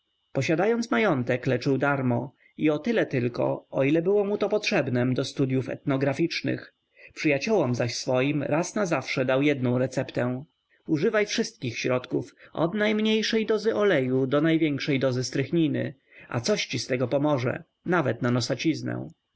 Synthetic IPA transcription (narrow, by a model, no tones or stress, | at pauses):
pɔɕad̪ajɔnt̪smajɔnt̪ɛklɛt͡ʂɘwd̪aɾmɔ | iɔt̪ɘlɛt̪ɘlkɔ̰ɔilɛbɘwɔmut̪ɔpɔtʂɛbnɛmd̪ɔst̪ud̪ʲjufɛ̰t̪nɔɡɾafʲit͡ʂnɘ̰x | pʂɘjat͡ɕɔwɔmzaɕsfɔjimɾʔasnazafʂɛd̪awjɛd̪nɔ̃w̃ɾɛt̪sɛpt̪ɛ̃ | uʐɘvajfʂɘst̪kʲixɕɾɔt̪kufʔɔ̰d̪najmɲejʂɛjd̪ɔzɘʔɔlɛjud̪ɔnajvʲjɛŋkʂɛjd̪ɔzɘst̪ɾɘxɲinɘ̰ | a̰t̪sɔɕt͡ɕist̪ɛɡɔpɔmɔʐɛ̰ | navɛt̪nanɔsat͡ɕiznɛ̰w̃